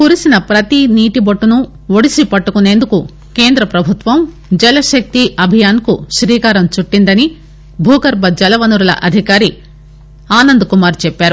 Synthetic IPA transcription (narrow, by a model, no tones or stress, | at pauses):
kuɾisinɐpɾɐt̪iniːʈibɐʈːunu | ʋoɽisipɐʈːukune̞ːnd̪uku | ke̞ːnd̪ɾɐpɾɐbʱut̪ʋɐm | d͡ʒɛlɐʃɐk̚t̪iʔɐbʱijaːnkuʃɾiːkaːɾɐmt͡ʃuʈːind̪ɐni | bʱuːɡɐɾbɐd͡ʒɛlɐʋɐnuɾulɐ̰ʔɐd̪ʱikaːɾi | aːnɐnd̪ukumaːɾt͡ʃɛpːaːɾu